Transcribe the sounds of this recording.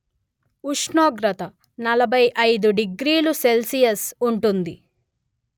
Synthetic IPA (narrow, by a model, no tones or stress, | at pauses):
uʂɳoːɡɾɐt̪ɐ | nɐlɐbʱɐjʔɐjd̪uɖiɡɾiːluse̞lsijɐsuɳʈund̪i